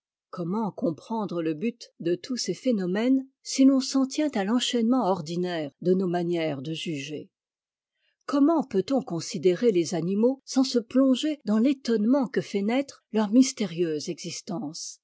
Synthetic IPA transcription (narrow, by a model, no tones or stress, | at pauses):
kɔmɑ̃kɔ̃pχɑ̃d̪ʁələbyt̪d̪ət̪ʰusefenɔmɛn | silɔ̃sɑ̃t̪jɛ̃t̪alɑ̃ʃɛnmɑ̃ɔʁd̪inɛːʁd̪ənomanjɛʁd̪əʒyʒḛ | kɔmɑ̃pøt̪ɔ̃kɔ̃sid̪eʁelezanimosɑ̃səplɔ̃ʒed̪ɑ̃let̪ɔnmɑ̃kəfɛnɛt̪χlœʁmist̪eʁjøzɛɡzist̪ɑ̃s